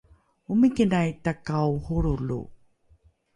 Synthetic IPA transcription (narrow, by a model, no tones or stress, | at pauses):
umikinajtakauhuɾulṵ